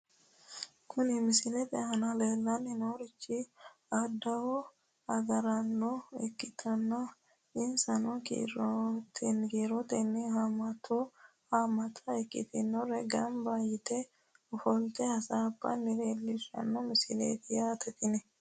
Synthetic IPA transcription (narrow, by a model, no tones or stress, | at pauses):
kʰʊnɪmɪsɪlɛt̪ɛhɐnɐleːlːɐnːɪnoɾɪt͡ʃːɪ | ɐd̪ɐwɔ | ɐɡɐɾɐnːɔɛkːɪt̪ʰɔnːɐ | ɪnsɐnɔkḭɾɔt̪ʰɛnɡiːɾɔt̪ɛnːɪhamɐt̪ʰo | hamɐt̪ʰʼɐɛkʼːɪ̰t̪ɪnːɔɾɛɡɐmbaːjɪt̪ɛ | ɔfɔlt̪ɛhɐsabːɐ̰nːɪleːlːɪʃɐ̰nːɔmɪsɪlḛːt̪ɪjaːt̪ɛt̪ɪnɛ